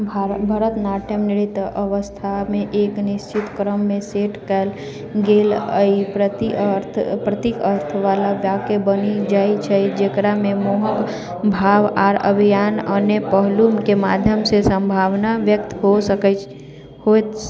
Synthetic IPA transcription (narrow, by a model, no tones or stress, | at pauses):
bʱəɾət̪naʈʰjəmniɽit̪əʋəst̪ʰameʔeknist͡ʃit̪kɾəmːeseʈʰkɛl | ɡeləipɾət̪ɾt̪ʰpɾət̪ikəɾt̪ʰʋalaʋjakebənid͡ʒait͡ʃʰəjd͡ʒekɾamemoɦək | bʱaʋaɾə̰bʱijanənepəɦlumkemad̪ʱjəmsesə̃mbʱaʋnaʋjək̚t̪ɦosəkə | hot̪